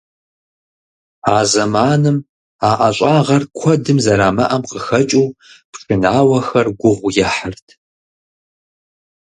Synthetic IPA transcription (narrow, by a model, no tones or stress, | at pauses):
aːzɐmaːnɨm | aːʔɐɕʼaːʁɐrkʷʰɔdɨmzɐɾaːmɐ̰ʔɐmqəxɐt͡ʃʼuːpʷʂʰʼɨnaːwɐxɐrɡʷʊʁʷjɛħərtʰ